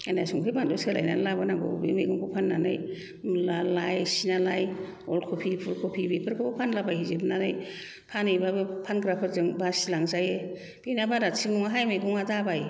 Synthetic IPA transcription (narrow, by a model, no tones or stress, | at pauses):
anajsuŋkʰɯjbandɔsela̰jna̰nlabanaɡɔ̰bimejɡɔŋkʰɔpʰanːanɯ̰j | lalajsinalajɔlkʰopʰipʰulkʰopʰibikʰɯɾkʰɯbɔpʰanlabajizibɯnanaj | pʰanɯjbabɯpʰanɡɾapʰɯɾzɯŋbasilaŋzaje | binabaɾasʰiŋnɔŋaɦajmajɡɔŋadabaj